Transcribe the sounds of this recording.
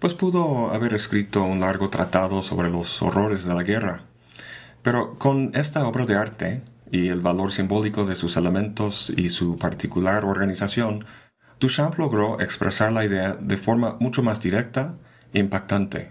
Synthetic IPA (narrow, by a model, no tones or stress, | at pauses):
pwe̞spuðoa̰βe̞ɾeskɾit̪o̞unlaɾɣot̪ɾa̰t̪aðoso̞̰βɾe̞lo̞so̰ro̞ɾe̞zðe̞laɣe̞ra | pe̞ɾo̞ko̞ne̞st̪ao̞βɾaðe̞aɾt̪e̞ielβalo̞ɾsimbo̞liko̞ðe̞suselemẽ̞nt̪o̞sḭsupaɾt̪ikulaɾo̞ɾɣanisasjo̞n | d̪̥uʃaplo̞ɣɾo̞ʔekspɾʔesaɾlaiðeaðe̞fo̞ɾmamut͡ʃomazd̪iɾe̞k̚t̪a | iːmpak̚t̪ant̪e̞̰